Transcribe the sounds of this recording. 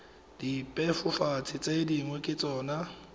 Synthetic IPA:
d̥ipʼɛfʊfat͡sʰɪt͡sʼediŋwɛkʼɪt͡sʼɔːna

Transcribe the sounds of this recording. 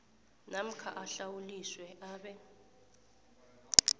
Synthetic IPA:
nam̩kʰa̰ʔaɬawuliswɛʔaːɓɛ

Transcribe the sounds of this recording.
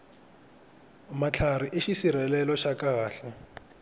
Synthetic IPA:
mat͡ɬʰariʔɪʃisiɾɛlɛlɔʃakʼaɣaːɬɛ

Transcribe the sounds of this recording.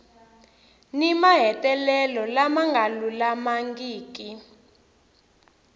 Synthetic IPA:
nimaɦɛtʼɛlɛlɔlamaŋɡʱalulamaŋɡiːki

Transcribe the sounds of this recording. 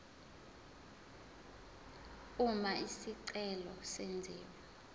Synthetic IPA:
umaʔisiǀɛlɔsend͡zʱiːwa

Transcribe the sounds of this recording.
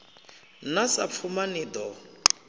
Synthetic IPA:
nasap̪fʰumaniːd̪ɔ

